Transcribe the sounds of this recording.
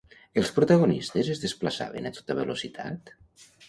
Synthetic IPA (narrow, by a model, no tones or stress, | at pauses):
elˠspɾut̪aɣonist̪ezezðesplasa̰βḛnat̪o̥t̪aβelosit̪ʰa̰t̪